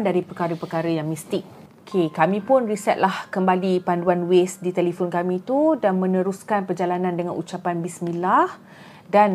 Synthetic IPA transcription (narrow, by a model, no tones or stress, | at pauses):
ndaɾipərkaɾəpərkaɾəjaŋmist̪ɪk̚ | okʰekamĩpʊnrisɛt̪̚lahkəmbalipanduanwesdit̪ɛlifonkamĩt̪udanmə̃nəɾuskanpərd͡ʒalanãndəŋa̰nʔut͡ʃapanbismilah | dan